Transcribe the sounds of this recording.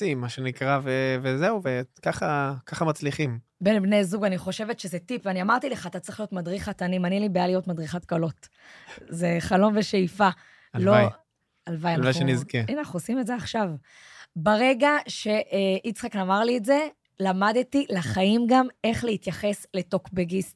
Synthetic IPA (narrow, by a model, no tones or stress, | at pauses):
simaʃenikʁavevezeuvekaχakaχamat͡sliχim | benbnejzuɡaniχo̞ʃevetʃezetipveaniamaʁt̪ileχaːt̪att͡sʁeχlijo̞tmadʁiχat̪animanilibejalijo̞tmadʁiχat̚kalo̞t | ze̞χalo̞nveʃejfa | lloaj | alvajanlavaenizkeanaχnuosimetzeaχʃav | baʁe̞ɡaʃe̞ʔʔit͡sχaknamaʁlietze̞ | lamad̪tilaχajimɡame̞χlehit̪jaχe̞sle̞to̞kbeɡist